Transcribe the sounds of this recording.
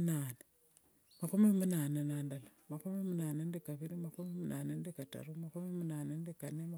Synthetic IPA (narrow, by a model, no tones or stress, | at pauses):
naːne | makumimunaːnenaːndalamakumimunaːnendikaβiɾimakumimunʔa̰ːnendikata̰ɾumakumimunaːnendikanema